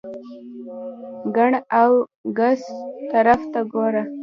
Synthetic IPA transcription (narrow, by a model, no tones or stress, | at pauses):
ɡaɳawɡast̪aɾaft̪aɡoɾa